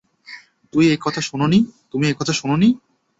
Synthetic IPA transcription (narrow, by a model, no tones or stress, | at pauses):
t̪umiekɔt̪ʰaʃunonit̪umiekɔt̪ʰaʃunoni